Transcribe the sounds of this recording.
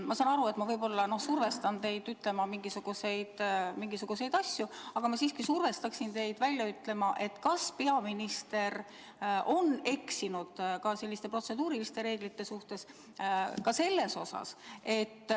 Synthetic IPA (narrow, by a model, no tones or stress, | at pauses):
mɑsɑnɑɾuet̪ːmɑvɤjb̥o̞lːɑno̞hsurve̞st̪ɑnt̪e̞jd̪yt̪ːˑle̞mɑmiŋɡ̥isuɡ̥use̞jd̪̥miŋɡisuɡ̥use̞jd̪ɑsʲjuɑɡ̥ɑmɑsiːskisurve̞st̪ɑksint̪e̞jd̪̥vælʲjɑyt̪ːle̞mɑʔe̞t̪ːˑkɑspe̞ɑminist̪e̞r | ʔo̞ne̞ksinud̪̥kɑse̞lːist̪e̞pro̞t̪se̞d̪uːɾilist̪e̞ɾe̞ːɡ̥lit̪ːe̞suht̪e̞s | kɑse̞lːe̞so̞sɑ̰se̞t̪ː